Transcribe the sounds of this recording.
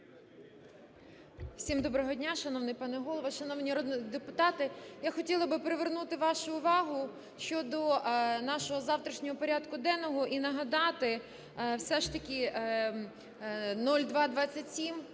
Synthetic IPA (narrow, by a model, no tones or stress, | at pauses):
w̥sʲimd̪ɔbɾɔɦɔdʲnʲaʃɐnɔʋnɪjpɑnɛɦɔlˠɔʋɐʃɐnɔwnʲiɔɾɔd̪nd̪epʊt̪ɑt̪ɪjaxɔtʲilˠɐbɪpɾeʋernut̪ɪʋɑʃʊːʋɑɦʊ | ʃt͡ʃɔd̪ɔnɑʃɔɦɔzɑwt̪ɾʲɐʃnʲɔɦɔpɔɾʲad̪kʊd̪ɛnɔɦɔʔinɐɦɐd̪ɑt̪ɪ | wsɛʃt̪ɐkʲi | nɔlʲd̪ʋɑd̪ʋɑt͡sʲːɐtʲsʲim